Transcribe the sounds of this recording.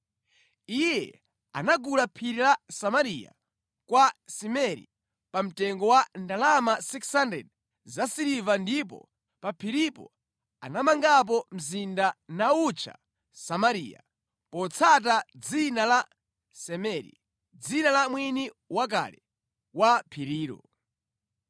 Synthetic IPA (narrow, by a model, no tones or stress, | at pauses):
ijɛ̰ | a̰naɡulapʰiɾilasamaɾija̰ | kwasimɛɾḭ | pam̩tɛŋɡɔwandalamasikshandɛ̰d | zasiɾivandipɔ̰ | papʰiɾipɔ̰ | a̰namaŋɡap̬ɔm̩zindanaut͡ʃʰa̰ | samaɾḭːja̰ | pɔt͡sʰat̬ad͡zinala | sɛmɛɾḭ | d͡zinalamwini | wak̬a̰lɛ | wapʰiɾiːɾɔ̰